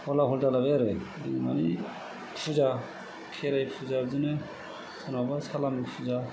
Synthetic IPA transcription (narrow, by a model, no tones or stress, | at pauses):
ɔlaɦɔldalabɛɾɛdimani | pʰuza | kʰɛɾajpʰuzazɯnɯ | sʰanɔbasalamipʰuza